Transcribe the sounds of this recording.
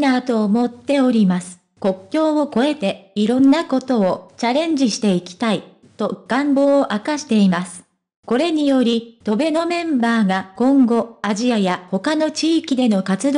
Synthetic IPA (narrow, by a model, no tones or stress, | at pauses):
nat̪o̞ːmo̞t̪ːe̞o̞ɾʲimasɨ̥ | ko̞kʲːo̞ːoko̞e̞t̪e̞iɾõ̞nːako̞t̪o̞ːt͡ɕaɾẽ̞ɲ̟d͡ʑiɕi̥t̪e̞ikʲi̥t̪ai | t̪o̞ɡ̥ãmbo̞ːoʔakaɕi̥t̪e̞imasɨ̥ | ko̞ɾe̞ɲ̟ijo̞ɾʲit̪o̞be̞no̞mẽ̞mbaːɡakõ̞ŋɡo̞aʑiajaho̞kano̞t͡ɕiːkʲid̪e̞no̞kat͡sɨd̪o